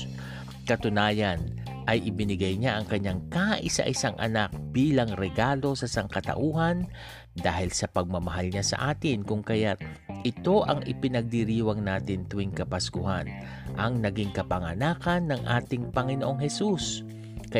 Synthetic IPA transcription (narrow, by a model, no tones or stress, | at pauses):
kɐt̪ʊnaːjɐn | ʔɐjʔɪbɪnɪɡajɲaʔɐŋkɐɲːaŋkaʔɪsɐ̰ʔɪsaŋʔɐ̰nak̚b̥iːlɐŋɾɛɡaːlo̞sɐsɐŋkɐt̪ɐ̰ʔuːɦɐn | d̪aːhɪlsɐpɐɡ̚mɐmɐɦalɲasɐ̰ʔaːt̪ɪnkʊŋkɐjat̪̚ʔɪt̪o̞ʔɐŋʔɪpɪnɐɡ̚d̪iɾiːwɐŋnaːt̪ɪnt̪ʊiŋkɐpɐskʊha̰n | ʔɐŋnɐɡiŋkɐpɐŋɐnaːkɐnːɐŋʔa̰ːt̪ɪŋpɐŋɪnoʔoŋhɛsus | k